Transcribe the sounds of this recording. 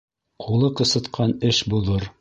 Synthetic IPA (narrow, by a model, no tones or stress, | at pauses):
qʰulˠɤqɤ̆sɤ̆t̪qʰɑnɘʃbulˠɤɾ